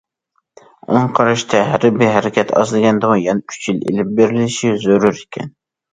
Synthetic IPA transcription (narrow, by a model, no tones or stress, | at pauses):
oɴqʰɑɾɑʃt̪ʰɛɦæɾɪbiɦæɾɪkʲɛt̪ʰɑ̰zlˠɨɡʲɛnd̪ɨʁɑŋjɑnɛyt͡ʃʰjilḛlɪp̚beɾɪlɪʃizøɾyɾikʲʰɛ̰n